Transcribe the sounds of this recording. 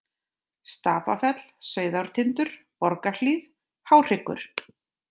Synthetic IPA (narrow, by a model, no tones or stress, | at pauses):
st̪aːpa̰fɛt̪l̥sœːɥðawɾ̥t̪ʰɪnt̪ʏɾ̥ | pɔɾkaliːð | hawr̥ɪkːʏ̰ɾ̥